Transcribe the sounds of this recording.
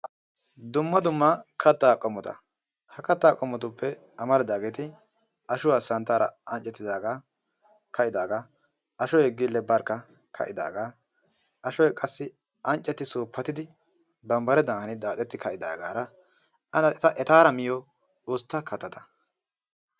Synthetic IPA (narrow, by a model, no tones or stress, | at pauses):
d̪ʊmːɐd̪ʊmːɐkʰɐt̪ːaːkʼɔmɔt̪ɐ̰ | hɐkɐt̪ːaːkʼɔmɔt̪ʊpːɛ | ɐmɐlɐd̪aːɡeːt̪ɪ | ɐʃʊwaːsɐnt̪ːaːɾɐ̰ɐnt͡ʃʼːɛt̪ːɪd̪aːɡa | kɐʔɪd̪aːɡaː | ɐʃɔjɛɡːɪlːɛbɐɾkːɐ | kʰɐ̰ʔɪd̪a̰ːɡaː | ʔɐʃɔjkʼɐsːɪ | ɐnt͡ʃʼːɛt̪ːɪsoːpːɐt̪ɪd̪ɪ | bɐmbɐɾɛd̪ɐɐnɪd̪aːt̪ʼɛt̪ːɪkɐʔɪd̪a̰ːɡa̰ːɾɐ | ɐnɐɛt̪ɐʔɛt̪aːɾɐmɪjɔ | oːst̪ːɐkʰɐt̪ːɐt̪ʰɐ̥